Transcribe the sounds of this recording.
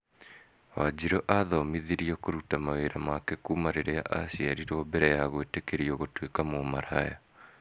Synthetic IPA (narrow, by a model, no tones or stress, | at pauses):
wad͡ʑiɾoʔaðɔmiðiɾiɔkoɾutamaweɾamakekumaɾeɾea̰ʔaɕjaɾiɾɔbɛɾɛjaɣoetekeɾiɔɣotwekamomaɾaja